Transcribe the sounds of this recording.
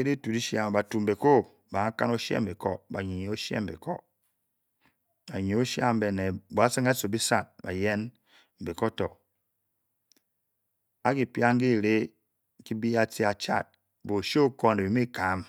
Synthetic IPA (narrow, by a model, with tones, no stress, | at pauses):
e˦ɾi˦tu˨di˦ʃa˦m˨ba˨tu˨m̩˨be˨ko˦ | ba˨ŋa˦ka̰˦no˦ʃḛ˦m̩˨be˨kɔ˦ba˨ɲi˨ɲ˨o˦ʃḛ˦m̩˨bḛ˨kɔ̰˦ | a˨ɲi˨o˦ʃja̰˦m̩˦be˨ne˨bo˨a˦sɨ˦ŋa˦so˨bi˦sa˦˨t̚ba̰˨je˦n | m̩˨be˨kɔ˦tɔ˨ | a˦ki˦˨pja˦ŋ˦ɡi˦˨ɾe˦ | ki˦bi˦a˦ti˦a˨t͡ʃa̰˦˨t̚ | bo˨ʃo˦o˦ko˦n˨e˨i˨˦mi˦ka˨˦m